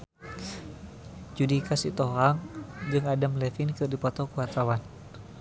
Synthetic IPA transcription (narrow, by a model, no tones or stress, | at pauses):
d͡ʒudikasit̪ɔɦaŋd͡ʒɨŋadamlɛfinkɨrdipɔt̪ɔkuwat̪awan